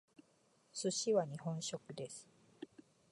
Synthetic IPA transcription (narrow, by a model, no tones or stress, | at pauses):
sɨɕiβaɲ̟ihõ̞ɰ̃ɕo̞kɯ̟d̪e̞sɨ̥